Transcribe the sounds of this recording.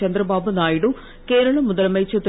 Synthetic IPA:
ɐnd̪ɾɐbaːbunaːjiɽu | ke̞ːɾɐɭɐmːuðɐlmɐjt͡ɕːɐt̪

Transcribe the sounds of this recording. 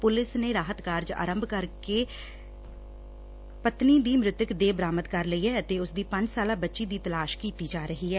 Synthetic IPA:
pʊlɪsneːɾaːɦət̪kaːɾd͡ʒa̰ːɾəmbʱkəɾkeː | pət̪niːd̪iːmɾɪt̪əkd̪eːbɾaːmət̪kəɾləiːɦɛːət̪eːʊsd̪iːpə̃ɲd͡ʒsaːlãːbətːʃiːd̪iːt̪əlaːʃkiːt̪iːd͡ʒaːɾəɦiːɦɛː

